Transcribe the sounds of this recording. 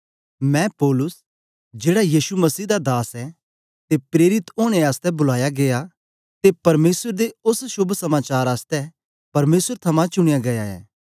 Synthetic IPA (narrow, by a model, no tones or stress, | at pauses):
mɛ̃pɔːlʊs | d͡ʒeːɽajiːʃumɐsiːd̪ad̪aːsɛ | t̪epɾeːɾɪt̪oːɽ̃eaːst̪ɛbʊlaːjaɡeja | t̪epɐɾmeːswəɾd̪eʊsʃʊbʱsɐmaːt͡ʃaːɾaːst̪ɛ | pɐɾmeːsəɾt̪ʰɐmãt͡ʃʊɽ̃ɪjaɡɐjaɛ̰ː